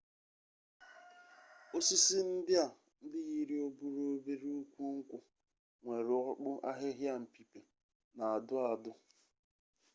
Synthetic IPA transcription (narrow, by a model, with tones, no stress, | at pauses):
o˦si˦si˦n̩˦dɪ˦a˨ | n̩˦dɪ˦ɣi˦ɾi˦o˦bu˦ɾo˦be˦ɾi˦u˦kʷu˦ŋ̩˦kʷʊ˨ | ŋʷe˨ɾɪ˨ɔ˦k͡pʊ˦ʔa˦ɦɪ˦ɦja˦m̩˨pi˨pe˨ | na˨a˨dʊ˦a˨dʊ˦